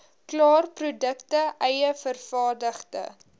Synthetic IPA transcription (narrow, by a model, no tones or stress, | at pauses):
klɑːrprudəktəʔɛjəfərfɑːrdəχtə̰